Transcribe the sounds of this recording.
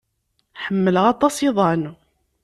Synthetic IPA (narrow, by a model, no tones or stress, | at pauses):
ħəmːələʁɑt̪ˤɑseðˤɑn